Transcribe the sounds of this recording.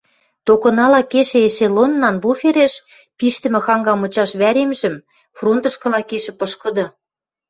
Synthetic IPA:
t̪okɤ̆nɑlɑkeʃĕeʃelonːɑnbufeɾeʃ | piʃt̪ɘ̆mɘ̆xɑŋɡɑmɤ̆t͡ɕɑʃβæɾemʒɘ̆m | front̪ə̆ʃkɤ̆lɑkeʃɘ̆pɤʃkɤ̆d̪ɤ̆

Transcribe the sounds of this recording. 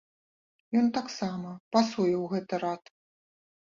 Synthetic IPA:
jɔnt̪aksamɐpasujɛwɣɛt̪ɨɾat̪

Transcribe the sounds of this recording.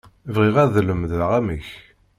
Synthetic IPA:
vʁiʁæðləmðʁæməç

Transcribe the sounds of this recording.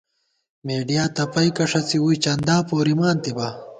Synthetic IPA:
meːɖijaːt̪ɐpɐjkɐʂɐt͡siwuit͡ɕɐnd̪aːpoːɾimaːnt̪iba

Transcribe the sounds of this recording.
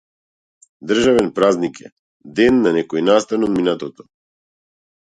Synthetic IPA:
d̪r̩ʒavɛnpɾaznikɛ̰ | d̪ɛnːanɛkɔjnast̪anɔd̪minat̪ɔt̪ɔ

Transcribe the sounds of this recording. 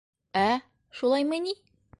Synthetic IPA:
æ | ʃulˠɑjmɤni

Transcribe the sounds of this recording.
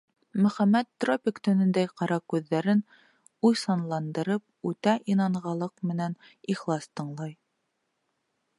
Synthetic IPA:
mɵ̆χæmːæt̪ːropʲɪkt̪ɵ̆nɘ̆nd̪æjqɑɾɑkʉðːæɾɘn | ujsɑnlˠɑnd̪ɤ̆ɾɤp̚ʉt̪æʔinɑɴʁɑlˠɤqmɘ̆næn | iχlˠɑst̪ɤ̆ɴlˠɑj

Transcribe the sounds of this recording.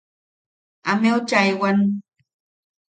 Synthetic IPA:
amewt͡ʃajwan

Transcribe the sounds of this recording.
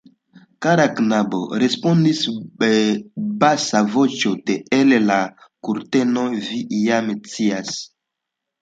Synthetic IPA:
kaɾaknabo̰ɾespondisebasavot͡ʃoteelelakuɾtenovijamt͡sias

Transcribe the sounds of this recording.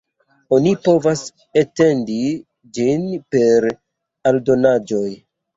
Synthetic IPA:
o̞nipo̞vas | ete̞ndi | d͡ʒinpe̞ɾ | aldo̞nad͡ʒo̞j

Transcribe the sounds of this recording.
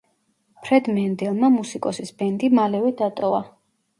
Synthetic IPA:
pʰɾɛd̪mɛnd̪ɛlˠmamusikʼɔsisbɛnd̪imalɛvɛd̪at̪ʼɔva

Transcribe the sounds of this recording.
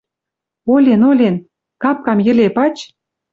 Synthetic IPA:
olʲenolʲen | kɑp̚kɑmjə̆lepɑt͡ɕ

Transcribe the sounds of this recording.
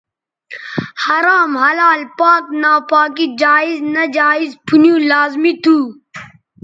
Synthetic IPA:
hɐɾaːmhɐlaːlpaːknaːpaːkid͡ʒaːiznɐd͡ʒaːizpʰunjũːlaːzmit̪ʰuː

